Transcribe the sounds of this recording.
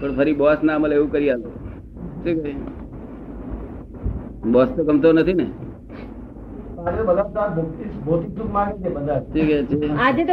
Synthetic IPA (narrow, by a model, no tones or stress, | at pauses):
pəɳpʰəɾibɔsnaməleʋũkəɾialo | tʰikəi | bɔst̪okəmt̪onət̪ʰine | t̪aɾet̪obələb̚d̪aɾbʱukt̪isbʱot̪ik̚sukmãɡet͡ʃʰebəd̪ʱaɾʈʰikɛt͡ʃʰead͡ʒet̪